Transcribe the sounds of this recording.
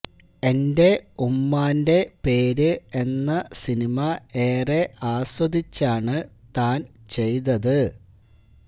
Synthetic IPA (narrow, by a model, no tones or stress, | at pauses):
e̞nde̞umːaːnde̞pe̞ːɾɨe̞nːɐsinimɐe̞ːreaːswɐd̪it͡ɕːaːɳɨt̪aːnt͡ɕe̞jt̪̬ɐðɨ